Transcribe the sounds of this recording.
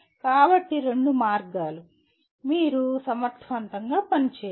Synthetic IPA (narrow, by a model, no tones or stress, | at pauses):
kaːbɐʈːiɾe̞ɳɖumaːɾɡaːlu | miːɾusɐmɐɾt̪ʰʋɐnt̪ɐŋɡaːpɐnit͡ʃeː